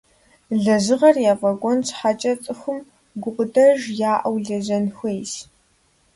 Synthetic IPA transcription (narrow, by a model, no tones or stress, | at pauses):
ɮɐzɨʁɐrjaːvɐɡʷɔnt͡sʰħat͡ʃʼɐt͡sʼɨxʷʊm | ɡʷʊqʷʼʊdʰɐʒjaːʔɐwɮɐzɐnxʷejs